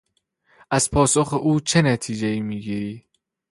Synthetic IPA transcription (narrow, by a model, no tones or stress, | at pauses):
ʔæz̥pʰɒːsoxeʔuːt͡ʃʰe̞næt̪ʰiːd͡ʒeiːmiːɡiːɾiː